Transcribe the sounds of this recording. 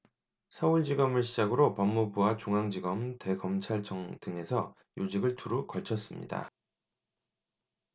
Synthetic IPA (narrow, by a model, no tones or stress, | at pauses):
sʰʌuɭd͡ʑiɡʌmɯɭɕʰid͡ʑaɡɯɾopʌmːubuwat͡ɕuŋɦaŋd͡ʑiɡʌmte̞ɡʌmt͡ɕʰaɭt͡ɕʰʌŋd̥ɯŋe̞sʰʌ | jod͡ʑiɡɯɭtʰuɾukʌɭt͡ɕʰʌs͈ɯmɲḭda̰